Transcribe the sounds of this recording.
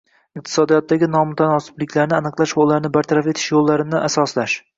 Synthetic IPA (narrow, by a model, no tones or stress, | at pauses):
ɪq̚t̪ʰɪ̥sɒd̪ijɒt̪ːaɡʲɪnɒmʊt̪ʰanɒsɪ̥blɪkʲʰlaɾnɪanɨqlˠaʃbolˠːaɾnɪbaɾt̪ʰaɾafe̞t̪ʰɪʃjolˠːaɾɪnɪʔasɒslaʃ